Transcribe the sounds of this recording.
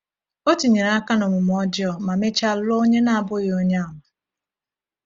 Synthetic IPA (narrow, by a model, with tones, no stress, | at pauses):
o˦ti˨ɲe˨ɾa˦ka˦nʊ˨mʊ˨m˨ɔ˦d͡ʒɔ˨ma˨me˦t͡ʃa˦lo˦ɲe˦na˨a˨bʊ˦jo˦ɲe˦a˨ma˨